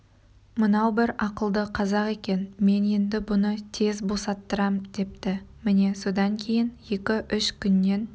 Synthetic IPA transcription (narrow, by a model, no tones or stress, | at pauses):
mənɑwbɪɾɑqəlˠd̪əqʰɑzɑqe̞kʲe̞nme̞ne̞nd̪ɪbʊnət̪ʰe̞zbo̞sɑt̪ːəɾɑmd̪e̞p̚t̪ɪmɪne̞so̞d̪ɑŋkʲʰe̞jɪnje̞kʲɪʔʏʃkʲʰʏnːe̞n